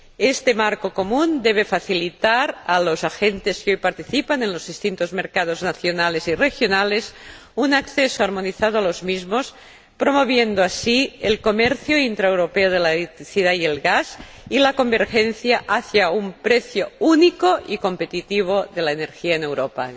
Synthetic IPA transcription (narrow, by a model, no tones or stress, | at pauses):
est̪emaɾkokomund̪eβ̞efaθilit̪aɾalozaxent̪eskeojpaɾt̪iθipanenlozðist̪int̪ozmeɾkað̞oznaθjonalezirexjonales | unakθesoaɾmoniθað̞oalozmizmos | pɾomoβ̞jend̪oasielkomeɾθjoint̪ɾaewɾopeoð̞elaelekt̪ɾiθiðaielɣaz | ilako̞mbeɾxenθjaʔaθjaumpɾeθjounikoʔiko̞mpet̪it̪iβ̞oðelaeneɾxiaenewɾopa